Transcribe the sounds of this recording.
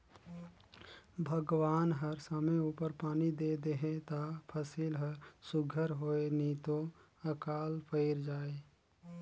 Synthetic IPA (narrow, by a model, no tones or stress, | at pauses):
bʱəɡwaːnɦəɾsəmeuːpəɾpaːnid̪ed̪eɦẽt̪apʰəsiːlɦəɾsʊɡʱəɾɦoːenit̪o | əkaːlpəɪɾd͡ʒaːe